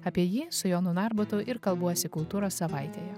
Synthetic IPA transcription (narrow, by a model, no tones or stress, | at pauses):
ɐpʲiɛjiːsʊjoːnʊnɑɾbʊt̪ʊʔɪɾkɐlˠbuɔjsʲɪkʊlˠt̪uːɾoːsːɐʋɐɪt̪ʲeːjɛ